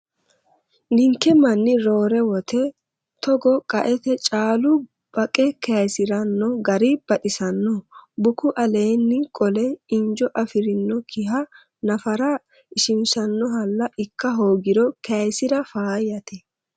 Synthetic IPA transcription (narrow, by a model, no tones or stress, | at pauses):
nɪŋkːɛmɐnːɪɾo̞ːɾɛwɔt̪ɛ | t̪ɔɡɔkʼɐʔɛt̪ɛt͡ʃʼaːlʊ | b̥ɐkʼɛkɛɐjsɪɾɐnːɔɡɐɾib̥ɐɗɪsɐnːɔbʊkʊʔɐle̞ːnːɪkʼɔlɛɪnd͡ʒɔʔɐfɪɾɪnːɔkʰɪɦɐ | nɐfɐɾɐ | ɪʃɪmsɐnːɔɦɐlːɐʔɪkːɐɦoːɡɪɾɔkɛɐjsɪɾɐfaːjɐt̪ɛ